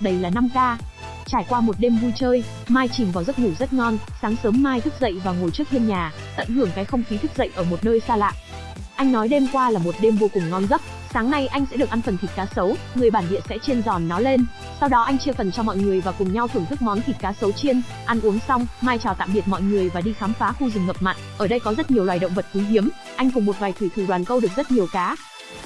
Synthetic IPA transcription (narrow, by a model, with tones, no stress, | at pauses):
ɗə˨˦jlaː˨˩na˧mkaː˧ | t͡ɕaː˧˩jkwaː˧mo˨˩t̚ɗe˧mvu˧t͡ɕəː˧j | maː˧jt͡ɕï̟˨˩vaː˨˩wzə˦˥t̚ŋu˧˩zə˦˥t̚ŋɔ˧nsaː˨˦ŋsəː˨˦mːaː˧jt̪ʰɨ˦˥k̚zə̰˧˨jvaː˨˩ŋo˨˩jt͡ɕɨ˦˥k̚tʰi˧əmɲaː˨˩ | t̪ə̰˧˨jhɨ˧˩əŋkaː˨˦jxə˧wŋ͡mxi˨˦t̪ʰɨ˦˥k̚zə̰˧˨jʔəː˧˩mo˨˩t̚nəː˧jsaː˧la̰ː˧˨ʔ | ʔa˧jŋnɔ˨˦jɗe˧mkwaː˧laː˨˩mo˨˩t̚ɗe˧mvo˧kʊ˨˩ŋ͡mŋɔ˧nɣə˦˥t̚ | saː˨˦ŋna˧jʔa˧jŋ̟sɛ̰˧˥ɗɨ˨˩ək̚ʔa˧nfə˨˩nt̪ʰi˨˩t̚kaː˨˦sə˨˦wŋɨ˨˩əjɓaː˧˩nɗḭ˧˨əsɛ̰˧˥t͡ɕe˧nzɔ˨˩nːɔ˨˦le˧n | sa˧wɗɔ˨˦ʔa˧jŋ̟t͡ɕɨ˧əkə˨˩nt͡ɕɔ˧mɔ̰˧˨jŋɨ˨˩əjvaː˨˩kʊ˨˩ŋ͡mɲa˧wt̪ʰɨ˧˩əŋt̪ʰɨ˦˥k̚mɔ˨˦nt̪ʰi˨˩t̚kaː˨˦sə˨˦wt͡ɕi˧n | ʔa˧nʔu˨˦əŋsa˧wŋ͡mmaː˧jt͡ɕaː˨˩t̪a̰ː˧˨mɓi˨˩ət̚mɔ̰˧˨jŋɨ˨˩əjvaː˨˩ɗi˧xaː˨˦mfaː˨˦xu˧zɨ˨˩ŋhə˨˩p̚ma̰˧˨jŋ̟ʔəː˧˩ɗə˧jkɔ˨˦zə˦˥t̚ɲi˨˩əwlwaː˨˩jɗə̰˧˨wŋ͡mvə˨˩t̚ʔi˨˦ŋɦi˨˦əm | ʔa˧jŋ̟kə˨˩ŋ͡mmo˨˩t̚vaː˨˩jt̪ʰi˧˩t̪ʰɨ˨˩ɗwaː˨˩nkə˧wɗɨ˨˩ək̚z̥t̚ɲi˨˩əwkaː˨˦